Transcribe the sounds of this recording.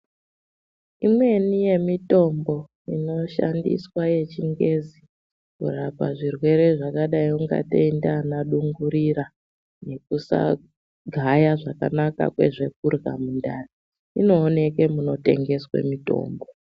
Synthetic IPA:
imwe̞nije̞mito̞mbo̞ | ino̞ʃa̰ndḭswaje̞t͡ʃiŋɡe̞zi | kṵrapaʐirwe̞ɾe̞ʐakaɗaiuŋɡa̰tḛindanaɗuŋɡuɾiɾa | ne̞k̚usa̰ | ɡʱajaʐaka̰naka̰kwe̞̰ʐe̞k̚urɣa̰mundaːri | ino̞ːne̞ke̞muno̞te̞̰ŋɡe̞swḛmito̞̰ːmbo

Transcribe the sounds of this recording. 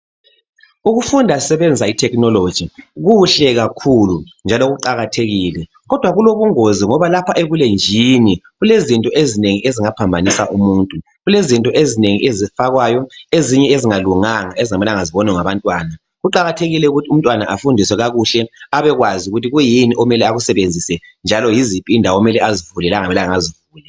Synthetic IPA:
uɣufundʱasɛβɛnd͡zʱaitʰɛknɔlo̥ʒ̥ʱiɣuɬɛɣakʰulund͡ʒʱaloɣuǃaɣatʰeɣiːlɛ | ɣɔd̥ʱwaɣuloβuŋoziŋɔβalapʰaʔeβulend͡ʒʱiːniɣulezintʼɔʔezineŋiʔeziŋapʰambʱanisaʔumuːntʼu | ɣulezintʼɔʔezineŋiʔezifaɣwajɔeziɲɛeziŋaluŋaŋaeziŋamɛlaŋaziβɔnɛŋaβantʼwaːna | ɣuǃaɣatʰeɣilɛuɣutʰium̩tʼwanaʔafundʱiswɛɣaɣuɬɛaβɛɣwaziuɣutʰiɣujiniʔɔmɛlɛaɣusɛβend͡zʱisɛnd͡ʒʱalɔjizipʼindʱawɔmɛlɛazivulɛlaŋamɛlaŋazivuːlɛ

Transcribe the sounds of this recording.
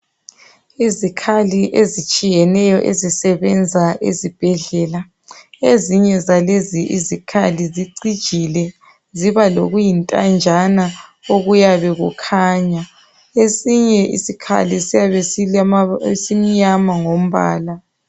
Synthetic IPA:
izikʰaliʔezit͡ʃʼijɛnɛjɔʔezisɛβɛnd͡zʱaʔḛzib̥ʱɛɮɛːla | eziɲɛzaleziʔḭzikʰaliziǀid̥ʒ̥ʱilɛ | ziβaloɣujintʼa̰nd͡ʒʱanaoɣujaβɛɣukʰaːɲa | esiɲɛʔḭsikʰa̰lisijaβesi | sim̩ɲamaŋom̩βa̰ːla

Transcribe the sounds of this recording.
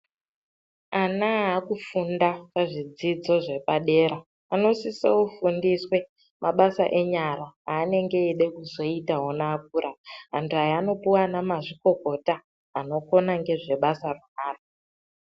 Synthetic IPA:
anaɦakufundapaʐid͡zid͡zo̞ʐe̞paɗe̞ːɾaː | no̞siseufundiswe̞ | mʔaɓasa̰ʔe̞ɲaraaːne̞ŋɡe̞iɗe̞kuzo̞itaɦonaːk̚uɾaɦantʰuɦajːno̞puwanamaʐiko̞ko̞taː | no̞ko̞naŋɡe̞ʐe̞ɓasarunaːro

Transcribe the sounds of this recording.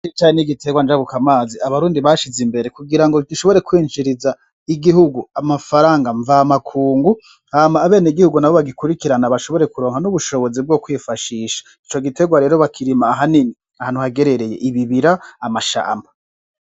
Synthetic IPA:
t͡ʃit͡ʃaːɲeniɡitʰe̞ɡwand͡ʒaβukamaːziaβaɾuːndiβaʃizimbe̞ɾe̞kuɡiɾaŋɡoɡiʃo̞βo̞ɾe̞kwiːnd͡ʒiɾiza | iɡihuɡuamafaɾaːŋɡaɱvaːmakʰuːŋɡu | hamaːβe̞ːneiɡihuɡunaβo̞βaɡikuɾikiɾanaβaʃo̞βo̞ɾekuɾo̞ːŋhanuβuʃo̞βo̞zib̚ɡo̞kwiːfaʃiːʃḁ | it͡ʃo̞ɡite̞ɡwaɾe̞ːɾo̞βakʰiɾimaːɦanini | ahaːn̥huhaɡe̞ɾe̞ɾe̞je̞̰ʔiβiβiɾaːmaʃa̰ːmba

